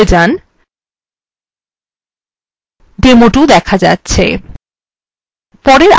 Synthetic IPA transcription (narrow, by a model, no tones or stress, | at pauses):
d͡ʑan | ɖ̪emoʈud̪ɛkʰad͡ʑa̰tːɕʰḛ | pɔɾeɾ